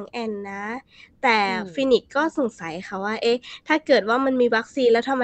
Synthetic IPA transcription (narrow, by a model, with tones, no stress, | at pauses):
ŋʔɛː˧nːa˦˥ | t̪ɛː˨˩fi˧˥ni˨˦˩kːɔː˥˩so˨˩ŋsa˨˦jxʰa˧˩waː˥˩ʔe˦˥t̪ʰaː˥˩kɤː˨˩t̪̚waː˥˩ma˧nmiː˧wa˦˥k̚siː˧nlɛ˦˥wt̪ʰa˧ma˧